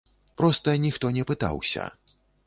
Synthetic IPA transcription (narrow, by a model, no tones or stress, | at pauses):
pɾɔst̪ɐnʲixt̪ɔnʲɛpɨt̪a̰wsʲɐ̰